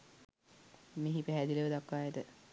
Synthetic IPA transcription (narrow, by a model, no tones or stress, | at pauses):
meɦipæɦæd̪iləʋəd̪akːaːjed̪ə